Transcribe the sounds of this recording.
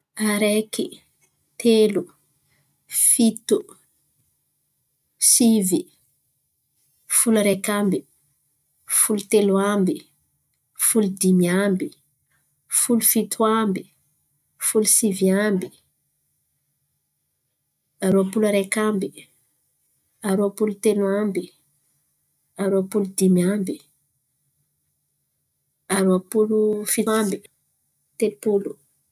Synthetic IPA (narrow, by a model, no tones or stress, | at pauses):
aɾɛki | t̪elu | fit̪u | sivi | fulaɾekambi | fulut̪eluambi | fulud̪imiambi | fulufit̪ʰuambi | fulusiviambi | aɾuapulaɾekambi | aɾuapulut̪elwambi | aɾuapulud̪imambi | aɾuapulufiambi̥ | t̪elupulu